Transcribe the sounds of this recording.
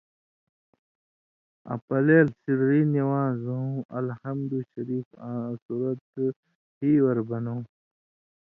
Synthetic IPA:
ɐ̰pɐleːlsiɽɾiːniwãːzuũʔɐ̰lhɐmd̪uɕɐɾiːfsuɾɐt̪ | hiːwɐɾbɐnõ

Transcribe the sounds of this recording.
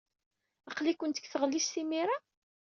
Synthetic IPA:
əqlikʷːənt̪ə̥kθəʁlːisθimiɾa

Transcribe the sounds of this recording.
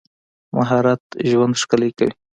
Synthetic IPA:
ma̰ɦɑɾat̪ʒwand̪ʂkaləjkawi

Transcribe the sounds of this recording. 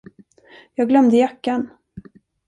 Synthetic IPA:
jɑːɡlœmd̪əjakːan

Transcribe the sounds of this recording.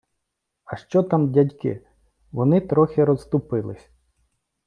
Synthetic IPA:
ɐʃt͡ʃɔt̪amdʲɐdʲkɪ̰ | ʋɔnɪt̪ɾɔxʲɪɾɔst̪ʊpɪlˠɪsʲ

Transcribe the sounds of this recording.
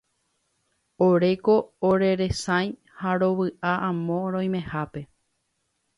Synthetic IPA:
oɾe̞koːɾe̞ɾe̞sãj̃ | haɾo̞ʋɨʔaʔãmõ̞ɾõj̃mẽ̞hape̞

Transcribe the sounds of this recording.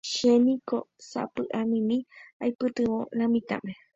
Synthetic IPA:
ʃenĩkosa̰pɨʔamĩmĩajpɨt̪ɨwõ̰ɾãmĩt̪ã̰mẽ

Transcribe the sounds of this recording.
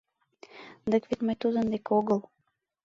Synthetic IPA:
d̪əkvit̪məjt̪ud̪ənd̪ekoɣəlˠ

